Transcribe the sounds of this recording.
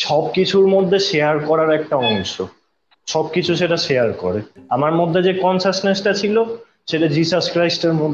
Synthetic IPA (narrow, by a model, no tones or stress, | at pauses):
ʃɔb̚kit͡ɕʰuɾmod̪ʱːeʃeaɾkɔɾaɾɛk̚ʈaɔʃo̰ | ʃɔb̚kit͡ɕʰuʃeʈaʃejaɾkɔ̰ɾeamaɾmod̪ʱːed͡ʑekɔnsasnesʈat͡ɕʰilo | ʃeʈad͡ʑiʃaʃkɾajsʈeɾmod̪ʱːe